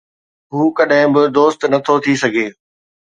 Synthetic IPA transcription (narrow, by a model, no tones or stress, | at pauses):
ɦuːkɐɗɦɪ̃bɪd̪oːst̪nɐt̪ʰot̪ʰisɐɡʱeː